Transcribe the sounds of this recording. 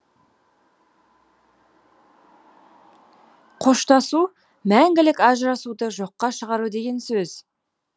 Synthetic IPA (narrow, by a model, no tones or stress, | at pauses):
qʰoʃt̪ɑsu | mæŋɡʲɪlɪkɑʒɾɑsud̪əʒo̞qːɑʃəʁɑɾud̪e̞ɡʲe̞nsɵz̥